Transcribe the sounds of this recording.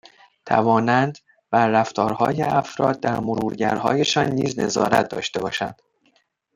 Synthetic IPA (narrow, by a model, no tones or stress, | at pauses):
t̪ʰæ̰vɒːnænd̪ | bæɾːæft̪ʰɒːɾhɒːjeæfɾɒːd̪̚d̪æɾmoɾuːɾɟæ̰ɾhɒ̰ːjeʃɒːnːiːzne̞̰zɒ̰ːɾæ̰t̪̚ʰd̪ɒ̰ːʃt̪e̞bɒ̰ːʃæ̰nd̪̥